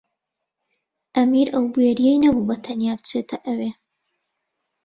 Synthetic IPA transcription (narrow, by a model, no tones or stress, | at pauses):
ʔɐmiɾʔɐwbujeɾijejnɐbubɐt̪ʰɐnjaːbɨt͡set̪ʰɐʔɐwe